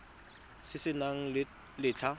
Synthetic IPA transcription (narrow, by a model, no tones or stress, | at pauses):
sɪsɪnaŋ̩ | lɪt͡ɬʰa